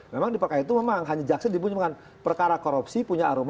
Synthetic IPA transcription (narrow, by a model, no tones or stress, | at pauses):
memaŋdipərkaait̪̬umemaŋɦaɲad͡ʒaksadibuɲmkan | pərkaɾakoɾupsipuɲaaɾum